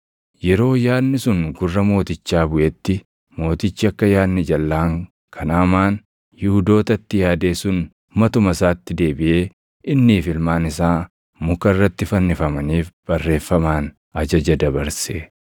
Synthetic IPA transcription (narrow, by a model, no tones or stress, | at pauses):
jɛɾo̞ːjaːnːɪsʊŋɡʊrːɐmo̞ːt̪ɪt͡ʃːaːbʊʔɛt̪ːɪ | mo̞ːt̪ɪt͡ʃːɪɐkːɐjaːnːɪd͡ʒɐlːaːŋ | kʰɐnaːmaːn | jɪhʊd̪o̞ːt̪ɐt̪ːɪjaːd̪e̞ːsʊn | mɐt̪ʊmɐsaːt̪ːɪd̪e̞ːbɪʔe̞ː | ʔɪnːiːfɪlmaːnɪsaː | mʊkɐɪrːɐt̪ːɪfɐnːɪfɐmɐniːfb̥ɐrːe̞ːfːɐmaːn | ɐd͡ʒɐd͡ʒɐd̪ɐbɐɾse